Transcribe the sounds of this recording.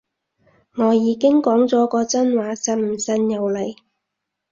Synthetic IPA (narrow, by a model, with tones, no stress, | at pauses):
ŋɔː˨˧jiː˨˧kɪ˥ŋkɔː˨˥ŋt͡sɔː˨˥kɔː˧t͡sɐ˥nwaː˨˥sɐ˧˥m̩˨˩sɐ˧njɐ˨˧wlɐ˨j